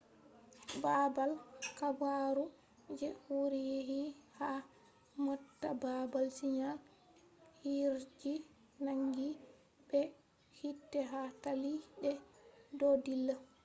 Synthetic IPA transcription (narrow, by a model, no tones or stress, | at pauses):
babalkabaɾu | d͡ʒɛhuɾijeɦiha | mɔtːababalsiɲa | hiɾd͡ʒi | naŋɡi | bɛ | hitːɛɦataliɗɛdɔdilːa